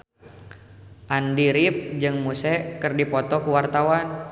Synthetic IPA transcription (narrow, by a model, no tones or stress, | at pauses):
ʔandiɾip̚d͡ʒɨŋmusɛkɨrdipɔt̪ɔkuwart̪awan